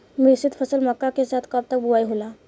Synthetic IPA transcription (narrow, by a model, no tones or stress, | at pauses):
misit̪fʰəsəlməkːakesat̪ʰkəp̚t̪ək̚buajɦola